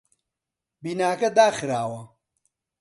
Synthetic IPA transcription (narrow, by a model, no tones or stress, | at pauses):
biːnaːkɐd̪aːxɨɾaːwɐ